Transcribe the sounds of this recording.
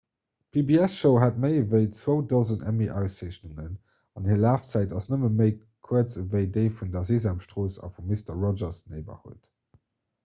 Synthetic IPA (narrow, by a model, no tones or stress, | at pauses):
pʰibiæsʃəʊɦat̚məɪvəɪt͡swəʊdozəntæ̰miʔaʊseɕnuŋən | ɑnhiːɐlaːft͡sæɪtɑsnəməməɪ | kʰuət͡səvəɪdəɪfundɐziːzamʃtʁoːsɑ̰fumːistɐʁɔd͡ʒɐsneɪbɐ̰hṵət